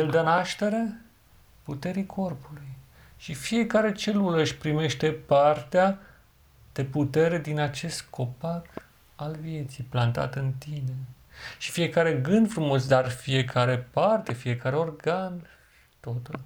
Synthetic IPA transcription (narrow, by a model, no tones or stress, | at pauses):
jeld̪anaʃt̪e̞ɾe̞ | put̪e̞ɾikʰo̞rpuluj | ʃifie̞kaɾe̞t͡ʃe̞lulɨʃpɾime̞ʃt̪e̞part̪ea | d̪̥e̞put̪e̞ɾe̞d̪inat͡ʃe̞st̪̚kʰo̞pak | alvie̞t̪sijplant̪a̰t̪ɨnt̪ine̞ | ʃi̥fije̞kaɾe̞ɡɨnd̪fɾumo̞s̬d̪arfie̞kʰaɾe̞part̪e̞fie̞kaɾe̞o̞rɡan | ʃi̥t̪ot̪ul